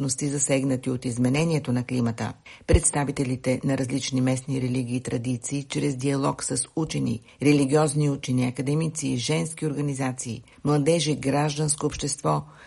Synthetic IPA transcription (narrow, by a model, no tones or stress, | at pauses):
nost̪izɐsɛɡnət̪iot̪izmɛnɛniɛt̪onɐklimət̪ə̰pɾɛt̪st̪avit̪ɛlit̪ɛnɐɾɐzlit͡ʃnimɛsniɾɛliɡiːt̪ɾɐd̪it̪siːt͡ʃɾɛzd̪iɐlˠɔksəsut͡ʃɛnḭ | ɾɛliɡʲiɔzniut͡ʃɛniɐkɐd̪ɛmit̪siʒɛnskioɾɡɐnizat̪siː | mlˠɐd̪ɛʒiɡɾaʒd̪ənskoːpʃt̪ɛst̪vɔ